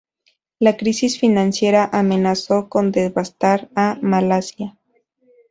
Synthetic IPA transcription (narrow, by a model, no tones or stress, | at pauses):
lakɾisisfinãnsje̞ɾaʔame̞naso̞ko̞nd̪e̞zβast̪aɾamalasja